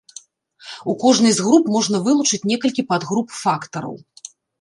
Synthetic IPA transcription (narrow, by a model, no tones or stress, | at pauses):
ukɔʐnɨjzɣɾupmɔʐnɐvɨlˠut͡ʂɨt͡sʲnʲɛkɐlʲkʲipad̪ɣɾupfakt̪ɐɾɐ̰w